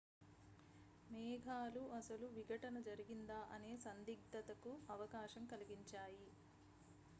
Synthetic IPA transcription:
mɛːɡʱaːluʔɐsɐluʋiɡʱɐʈɐnɐd͡ʒɐɾiɡind̪aːʔɐne̞ːsɐnd̪iɡ̚d̪ɐt̪ɐkuɐʋɐkaːʃɐmkɐliɡiɲt͡ʃaːji

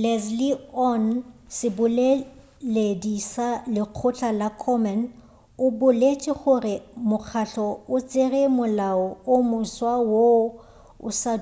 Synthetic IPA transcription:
lɛzliɔn | sɪbʊle | ledisalɪq͡χʰʊt͡ɬʰalakʰɔmɛn | ʊbʊlet͡ʃʼɪχʊrɪmʊk͡xʰaɬɔʊt͡sʼɪremʊlaɔʊmʊswawo | ʊ̰sa

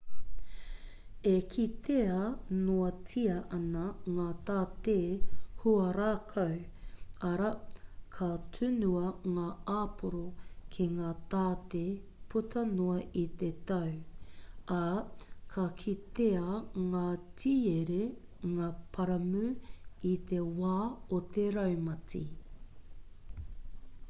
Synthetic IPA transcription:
ekʰit̪ʰeɐnoɐtʰiɐʔɐnɐŋaːt̪aːt̪eːhuɐɾaːkʰɐw | ɐɾɐkʰɐtʰʉnuɐŋaːaːpʰoɾokʰeŋaːt̪aːt̪epʰutʰɐnoɐʔit̪et̪ɐw | ɐkʰɐkʰit̪eɐŋaːtʰiːeɾe | ŋaːpʰɐɾɐmʉit̪ewaːot̪eɾɐwmɐtʰḭ

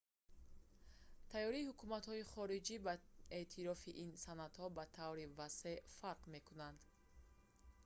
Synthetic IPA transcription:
t̪ʰajɔɾiːhukumat̪hɔiχɔɾid͡ʒibaet̪ʰiɾɔfiʔinsanat̪hɔbat̪ʰavɾivase̞faɾqme̞kunand̪

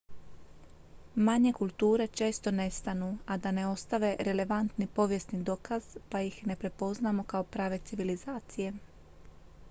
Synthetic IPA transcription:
maɲe̞kulˠt̪uːɾe̞t͡ʃe̞ːst̪o̞ne̞st̪anuad̪ane̞o̞st̪aʋe̞ɾe̞le̞ʋant̪nipo̞ʋje̞snid̪o̞kaz̥pajixne̞pɾe̞po̞znamokao̞pɾaːʋe̞t̪siʋilizaːt̪sije̞

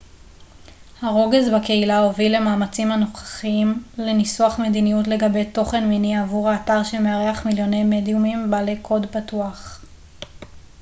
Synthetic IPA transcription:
haʁo̞ɡezbake̞ilao̞vile̞maːmat͡simhanoχḁχimlenisuaχme̞dinijutle̞ɡabe̞jto̞χe̞nminiavuʁhaːtaʁʃemeaʁeaχmiljo̞ne̞jmedjumimbalejkʰo̞dpatuaχ

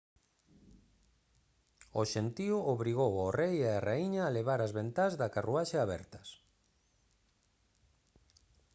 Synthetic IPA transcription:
oʃent̪iʊoβɾiɣ̞owarejeareiɲaːleβaɾɐzβent̪azðɐkaruaʃeaβɛ̰ɾt̪ɐs

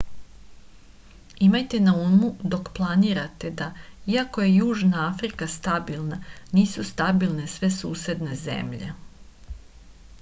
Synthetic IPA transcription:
imajt̪e̞naunmud̪o̞kplˠaniːɾat̪e̞d̪aiako̞je̞juːʒnaafɾikast̪abilˠnaniːsust̪abilˠne̞sʋe̞suːse̞d̪ne̞zḛmʎe̞̰

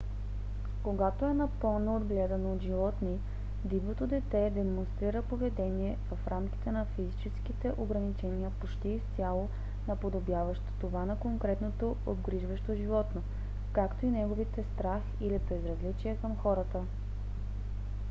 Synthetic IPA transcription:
koɡat̪oɛnɐpɤlˠnoːd̪ɡlɛd̪ɐnoːd̪ʒivɔt̪ni | d̪ibnot̪od̪ɛt̪ɛd̪ɛmonst̪ɾiɾəpovɛd̪ɛniɛvɐfɾʔamkʲi̥t̪ɛnɐfizit͡ʃɛskit̪ɛʔoɡɾɐnit͡ʃɛniəpot͡ʃt̪iːst̪ʲjalˠo | nɐpod̪objavəʃt̪o̥t̪ovanɐkoŋkɾɛt̪not̪o | ob̪ɡɾiʒvəʃt̪oʒivɔt̪no | kakt̪oinɛɡovit̪ɛst̪ɾax | ilibɛzɾɐzlit͡ʃiɛkɐmxɔɾət̪ə

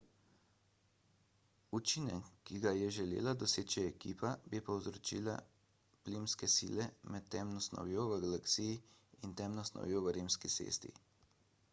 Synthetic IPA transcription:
ut͡ʃinɛkkːiɡajɛʒɛlḛːlad̪ɔseːt͡ʃiɛkiːpabipɔwzɾɔt͡ʃḭːla̰ | plimskɛsḭːlɛmɛt̪ːɛmnɔsnɔ̰wjoːʋəɡalaksijiint̪ɛːmnɔsnɔ̰wjoːʋəɾiːmskisḛːst̪ḭ

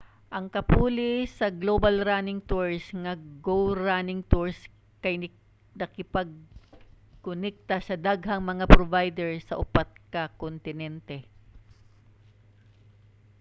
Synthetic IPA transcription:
ʔɐŋkɐpuːlɪsɐɡlobɐlɾanɪŋt̪uɹsŋɐɡowɹanɪŋt̪uɹs | kɐjnɪ | nɐkɪpɐɡ̚ | kʊnɛk̚t̪ɐsɐd̪aɡɦɐŋmɐŋapɾovajd̪ɛɹsɐʔʊpat̪̚kɐkont̪ɪnɛnt̪ɛ

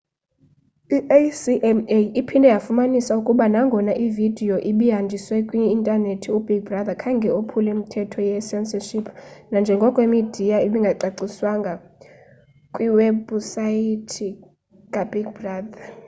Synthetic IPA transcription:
iʔesiʔɛmeipʰindʱɛjafumanisaukʼuɓanaŋɡʱɔnaʔividʱijɔʔiɓiɦand͡ʒʱiswɛkʼwiːntʼanetʰiub̥ʱiɡ̚brad̪akʰaŋɡʱɛopʰulɛim̩tʰɛtʰɔjɛsɛnsaʃipʰnand͡ʒʱɛŋɡʱɔkʼwemid̥ʱijaiɓiŋɡʱaǀaǀiswaŋɡʱa | kʼwiwɛbusajitʰi | ŋɡʱabiɡ̚braːda

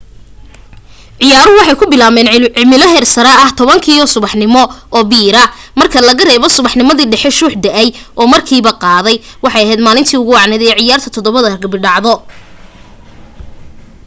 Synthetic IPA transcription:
ʕɪjaːɾʊwɑħɑjkʰʊbɪlaːmɛːnɪmɪlɔɦɛrsɐɾɐɐht̪ʰɔβɐŋkʰiːɔsʊβɑħnɪmɔʔɔːbiːɾɐmɐrkʰɐlɐɣɐrɛːβɔsʊβɑħnɪmɐðiːɖɛħɛʃuːħd̪ɐʔɛjʔɔːmɐrkʰiːβɐqɑːðɛj | wɑħɑjɐɦɛːd̪maːlɪnt̪ʰiːʊɣʊɑʕnɛðɛɛʕɪjaːrt̪ʰɐt̪ʰɔðɔβɐðɐɡɐbɪɖɑʕðɔ

